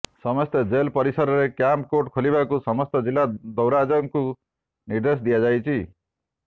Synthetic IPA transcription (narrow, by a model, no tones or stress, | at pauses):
sʌmʌst̪ed͡ʒelpʌɾisʌɾɔɾekjampkoʈkʰolibakusʌmʌst̪ɔd͡zilːad̪ɔwɾad͡ʒʌŋku | niɾd̪es̬d̪ijad͡ʒajt͡ʃʰi